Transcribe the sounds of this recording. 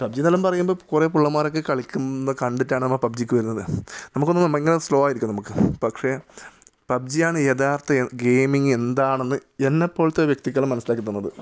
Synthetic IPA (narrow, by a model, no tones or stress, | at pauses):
pɐb̚d͡ʑinɐlɐmpɐrɐjːumbokure̞ːpuɭːɐmːaːɾo̞kːe̞kɐɭikʲːunːɐkɐɳɖitːaːɳɨnɐmːɐpɐb̚d͡ʑikʲːɨʋɐɾunːɐðɨnɐmukːonːɐmeŋːɐneslo̞ːaːjiɾikʲːmnɐmukːɨpɐkʂe̞ | pɐb̚d͡ʑijaːɳɨeðaːrt̪ːɐɡe̞ːjmiŋɡe̞nd̪aːɳenːɨe̞nːepːo̞ːɭt̪ːeʋjɐk̚t̪ik̬ʲːɐɭumːɐnɐsːilaːkːit̪ːunːɐðɨ